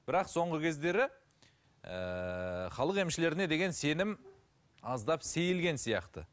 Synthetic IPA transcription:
b̥ɪɾɑqso̞ɴʁəkʲʰe̞zd̪e̞ɾɪ | ə̰χɑlˠəqe̞mʃɪle̞ɾɪne̞d̪e̞ɡʲe̞nse̞nɪm | ɑzd̪ɑpse̞jɪlɡʲe̞nsijɑ̰qt̪ə̰

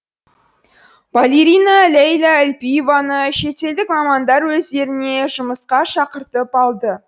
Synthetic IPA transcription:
valʲeɾijnalʲejlˠaælʲpijevanəʃe̞t̪e̞ld̪ɪkmɑmɑnd̪ɑɾwɵzd̪e̞ɾɪne̞ʒʊməsqɑʃɑqəɾt̪əpɑlˠd̪ə

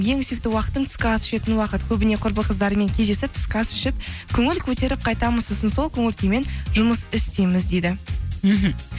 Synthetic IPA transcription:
je̞ŋʏsek̚t̪ɪwɑqə̥t̪əmt̪ʰʏ̥skʲɪɑsʏ̥ʃe̞t̪ɪnwɑqət̪kʲʰɵbɪne̞qʰʊɾpəqʰəzd̪ɑɾəme̞ŋkʲʰezd̪e̞sɪp̚t̪ʰʏ̥skɑsʏ̥ʃɪp̚kʲʰɵŋɪlkʲʰɵt̪e̞ɾɪp̚qʰɑjt̪ɑməzʊsənso̞lˠkʲʰɵŋɪlkʲeme̞nʒʊməsɪst̪ejmɪzd̪e̞jd̪ɪm̩ɦm̩

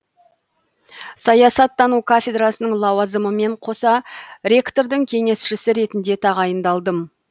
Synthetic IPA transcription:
sɑjɑsɑt̪ːɑnukʰafʲe̞d̪rasənəɴlˠɑwɑzəməme̞ɴqʰo̞sɑɾʲe̞kt̪o̞ɾd̪əŋkʲʰe̞ŋe̞sʃɪsɪɾe̞t̪ɪnd̪e̞t̪ʰɑʁɑjənd̪ɑlˠd̪əm

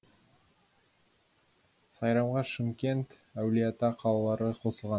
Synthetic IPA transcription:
sɑjɾɑmʁɑʃɪmkʲe̞nt̪ | æwlijat̪ɑqʰɑlˠɑlˠɑɾəqʰo̞səlˠʁɑ

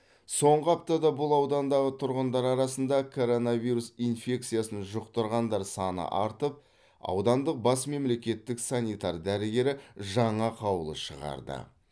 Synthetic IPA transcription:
so̞ɴʁəɑp̚t̪ɑd̪ɑbʊlˠɑwd̪ɑnd̪ɑʁət̪ʰʊɾʁənd̪ɑɾɑɾɑsənd̪ɑkʰo̞ɾo̞navʲijɾusijnfʲe̞k̚t̪sɨjasənʒʊqt̪əɾʁɑnd̪ɑɾsɑnə̰ʔɑɾt̪əp̚ | ɑ̰wd̪ɑnd̪əq̚bɑsme̞mle̞kʲe̞t̪ːɪksanʲijt̪ɑɾd̪æɾɪɡʲe̞ɾɪʒɑɴɑqʰɑwəlˠə̰ʃəʁɑ̰ɾd̪ə̰

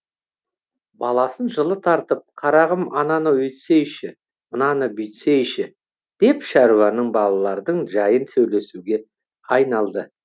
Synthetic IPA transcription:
bɑlˠɑsənʒəlˠət̪ʰɑɾt̪əp̚qʰɑɾɑʁəmɑnɑnəwɵt̪se̞jʃɪ | mənɑnəbʏjt̪se̞jʃɪ | d̪̥e̞pʃɑɾuwɑnəɴbɑlˠɑlˠɑɾd̪əɴʒɑjənsɵwle̞suɡʲe̞ | ɑjnɑlˠd̪ə

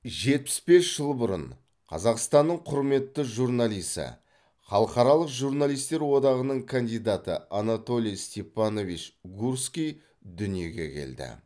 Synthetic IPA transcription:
ʒe̞t̪̚pɪ̥sbe̞sʒ̥əlˠbʊɾə̰ɴ | qʰɑ̰zɑqst̪ɑnːəɴqʰʊɾme̞t̪ːəʒurnalijsə̰ | χɑlˠəqɑɾɑlˠəqʒuɾnalˠijst̪e̞ɾwo̞d̪ɑʁənəɴkʰand̪ijd̪at̪ə̰anat̪o̞lʲijst̪ʲe̞pːɑno̞vit͡ʃɡuɾskʲij | d̪ʏnije̞ɡʲe̞̰kʲʰe̞̰ld̪ɪ̰

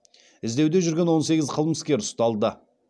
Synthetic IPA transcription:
ɪzd̪e̞wd̪e̞ʒʏɾɡʲe̞nwo̞nse̞ɡʲɪzqʰəlˠməskʲe̞ɾʊst̪ɑlˠd̪ə

